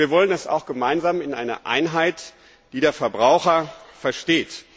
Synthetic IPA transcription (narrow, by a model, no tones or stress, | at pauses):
iːɐvɔlənɛsa̰ʊxɡ̥əmaɪnzaːmɪnʔa̰ɪnɐ̰ʔa̰ɪnɦaɪt | d̥iːdeːɐfɛɐbʁaʊxɐfɛɐʃteːt